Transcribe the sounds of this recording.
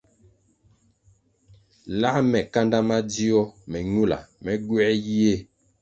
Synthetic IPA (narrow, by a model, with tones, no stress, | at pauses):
la˦mɛ˨ka˦nda˦ma˦di˦ɔ˦mɛ˨ɲu˦˨la̰˨mɛ˦ɡwɛ˦ji˦e˦˨